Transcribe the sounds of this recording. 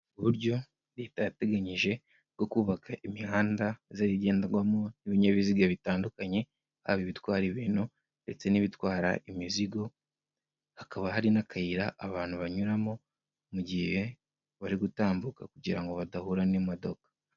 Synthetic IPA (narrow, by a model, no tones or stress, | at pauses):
uβuɾɟo̞ | ɾetajate̞ɡaɲiʒe̞ | ɡ̥o̞kuːβakʰaʔimihaːndazaɾiɟe̞ːndaɾɡwamoniβiɲaβiziɡaβitaːndukaɲe̞ | ha̰βiβitwaːɾiβiːnu | nde̞t͡se̞niβitwaːɾa̰imiziɡo̞ | hakaβaɦaɾinakʰajiɾaʔːβaːn̥huβaɲuɾamo̞ | muɟihe̞ | βaɾiɡutaːmbukakuɟiɾaŋɡo̞βadahuɾanimodo̞kḁ